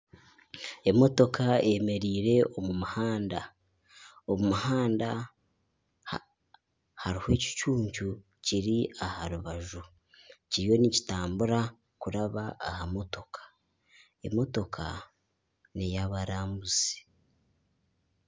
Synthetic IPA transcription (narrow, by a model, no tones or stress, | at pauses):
e̞mo̞to̞kaeme̞ɾiːɾe̞ʔo̞mumuhaːnda | omumuhaːnda | haɾihwe̞ːci̥t͡ʃuːɲcu | ciɾiahaɾuβaʒu | cijo̞nici̥taːmbuɾa | kuɾaβaʔːhamo̞to̞kʰḁ | e̞̰mo̞to̞kʰa̰ | nijaβaɾaːmbuzi̥